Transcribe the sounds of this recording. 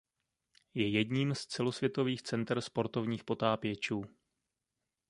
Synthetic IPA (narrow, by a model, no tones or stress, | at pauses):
jɛjɛdɲiːmst͡sɛlo̞svjɛt̪o̞viːxt͡sɛnt̪r̩spo̞ɾt̪o̞vɲiːxpo̞t̪aːpɪjɛt͡ʃuː